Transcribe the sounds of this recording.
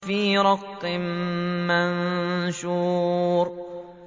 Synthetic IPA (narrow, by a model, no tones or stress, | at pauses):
fiːɾˤɑqːɪmmanʃuːɾ